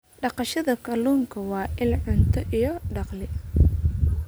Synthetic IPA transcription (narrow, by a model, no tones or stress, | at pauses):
ɖɑqɑʃɐðɐkʰɐluːŋkʰɐwɑːʔɪlʕʊnt̪ʰɔʔijɔɖɑqlɪ